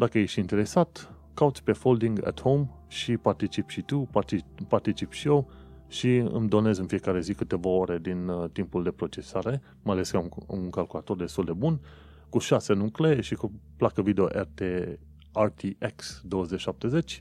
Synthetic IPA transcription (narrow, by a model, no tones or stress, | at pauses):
d̪akəjeʃint̪e̞ɾe̞sat̪ | kaut̪sʲpe̞fo̞ld̪iŋɡa̰t̪howm | ʃipart̪it͡ʃipʃit̪upaipart̪it͡ʃipʃiew | ʃiɨ̰md̪o̞ne̞zɨnfije̞kaɾe̞zikɨt̪e̞vao̞ɾe̞d̪int̪impuld̪e̞pɾo̞t͡ʃe̞saɾe̞ | majale̞skauŋkalkulat̪o̞rd̪e̞st̪uld̪e̞bun | kuʃase̞nukle̞ʃikuplakəvid̪eo̞̰ʔert̪e | art̪iʔeksd̪owəzet͡ʃʃap̚t̪e̞ze̞t͡ʃʲ